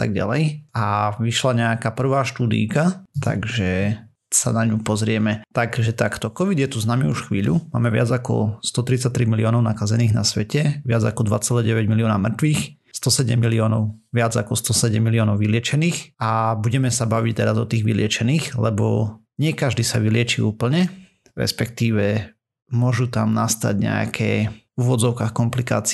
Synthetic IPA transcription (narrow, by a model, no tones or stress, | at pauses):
t̪a̰ɡɟa̰lɛ̰jaʋiʃlaɲɛakaːpr̩ʋaːʃt̪uːd̪ḭjkat̪a̰ɡʒɛ | sa̰naɲupɔzɾɪɛmɛt̪aɡʒɛt̪akt̪ɔkɔʋid̪jɛt̪uznaːmiuʃxʋḭːʎṵma̰ːmɛʋɪad͡zakɔ̰st̪ɔt̪ɾit͡sac̚t̪ɾimiliɔːnɔʊnakazɛniːɣna̰sʋɛcɛʋɪad͡zakɔd̪ʋa̰t͡sɛlɛɟɛʋɛɟmilijɔːnamr̩t̪ʋiːx | st̪ɔsɛɟɛmːiliɔːnɔʊ | ʋɪad͡zakɔst̪ɔsɛɟɛmːiliɔːnɔʊʋilɪɛt͡ʃɛniːxabuɟɛmɛsabaʋict̪ɛɾazɔt̪iːɣʋḭlɪɛt͡ʃɛniːxlɛbɔ̰ | ɲɪɛkaʒd̪iːsa̰ʋilɪɛt͡ʃiuːpl̩ɲɛ | ɾɛ̰spɛkt̪iːʋɛ | mʊɔʒut̪amnast̪a̰ɟɲɛ̰a̰kʰɛ̰ːuʋɔd͡zɔʊkaːxkɔmplika̰ːt͡si